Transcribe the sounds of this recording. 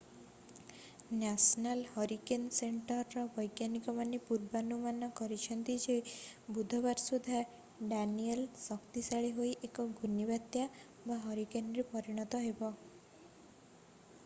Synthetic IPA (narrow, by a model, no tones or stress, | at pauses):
nasɔnalhɔɾikenseɳʈɔɾːɔbɔjɡjanikɔmanepuɾbanumanɔkɔɾit͡ʃʰɔnt̪id͡ʒebud̪ʱɔβaɾsud̪ʱːa | ɖanielsɔkt̪isaɭiɦojʔekɔɡʱunibat̪ja | baɦɔɾikenɾepɔɾiɽ̃ɔt̪ɔɦebɔ